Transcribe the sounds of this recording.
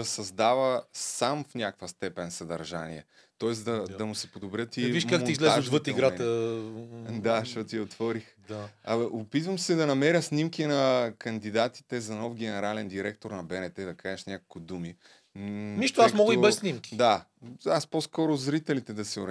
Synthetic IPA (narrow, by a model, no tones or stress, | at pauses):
ɐsɐzd̪avəsamfnʲakkvəst̪ɛpɛnsɐd̪ɐ̰ɾʒa̰nḭɛ | t̪ɔɛsd̪ɐɐmʊsɛpod̪obɾʲjɤt̪iviiʃkak̪izlɛzod̪vət̪iɡɾat̪ə | d̪aʃɔt̪jɛot̪v̥ɔɾixɐopit̪vəmsɛd̪ɐnɐmɛɾjəsnʲimkʲinɐkɐnd̪id̪at̪i̥t̪ɛzɐnɔfɡʲɛnɛɾalɛnd̪iɾɛkt̪oɾnɐbɛnɛt̪ɛd̪ɐkaɛʃnʲakolkoʊd̪umi | niʃtt̪ʊasmɔɡəibɛʃsnimkʲi̥d̪a | asposkɔɾʊzɾit̪ɛlit̪ɛd̪ɐsɛʊɾ